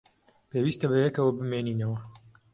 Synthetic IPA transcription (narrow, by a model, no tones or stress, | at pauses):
peːwiːst̪ɐbɐjɛkɐwɐbɨmeːniːnɐwɐ